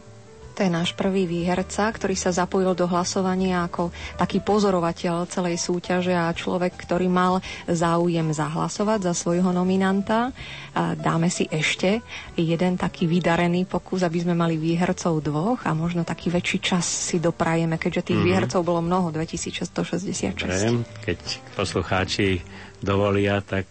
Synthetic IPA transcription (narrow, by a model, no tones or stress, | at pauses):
t̪ɔjɛnaːʃpr̩ʋiːʋiːɦɛɾt͡sakt̪ɔɾiːsazapɔjild̪ɔɦlasɔʋaɲɪaːkɔt̪akiːpɔzɔɾɔʋacɛʎt͡sɛlɛjsuːcaʒɛat͡ʃlɔ̰ʋɛkːt̪ɔɾiːmalzaːujɛmzaɦla̰sɔʋaɟzasʋɔjɦɔnɔminant̪a | d̪aːmɛsiʔɛʃcɛjɛd̪ɛnt̪akʰiːʋid̪aɾɛniːpɔkuzabizmɛmaliʋiːɦɾt͡sɔʊd̪ʋɔɣa̰mɔʒnɔt̪akʰiːʋɛt͡ʃiːt͡ʃasːid̪ɔpɾajɛmɛkɛɟʒɛt̪iːɣʋiːɦɛɾt͡sɔʊbɔlɔmnɔɦɔd̪ʋɛcisiːt͡sʃɛst̪ɔʃɛzɟɛsɪa̰t̪ʃɛɛsɛmkɛcpɔsluxaːt͡ʃi | d̪ɔʋɔlɪat̪ak̚